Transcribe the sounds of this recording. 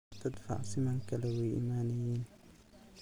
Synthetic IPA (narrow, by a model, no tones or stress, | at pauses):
t̪ʰɐd̪fɑ̰ʕsɪmaŋkɐlɛwɛjʔḭmaːnɛjɛn